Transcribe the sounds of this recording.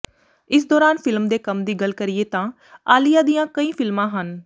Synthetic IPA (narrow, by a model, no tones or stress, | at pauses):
ɪs̬d̪ɔːɾaːnfɪlmd̪eːkəmd̪iːɡəlkəɾɪjeːt̪ãː | aːlijaːd̪ijãːkəĩːpʰɪlmãːɦən